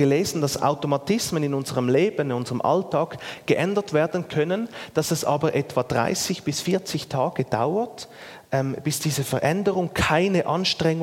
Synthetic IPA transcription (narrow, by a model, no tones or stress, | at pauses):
ɡ̥əleːz̥ən̩d̥ɑsa̰ʊtomatɪsmənɪnʊnzəʁəmleːbənɪnʊnzəʁəmʔa̰ltʰaːkɡ̥əʔɛndɐtv̥eːɐdən̩kʰœnənd̥ɑsɛsʔa̰ːbɐʔɛtv̥ad̥ʁa̰ɪsɪçb̥ɪsfiːɐt͡sɪçtʰaːɡ̥əd̥a̰ʊət | ʔɛmb̥ɪsd̥iːzəfɛʁʔɛndəʁʊŋkʰaɪnəʔɑnʃtʁ̥ɛŋ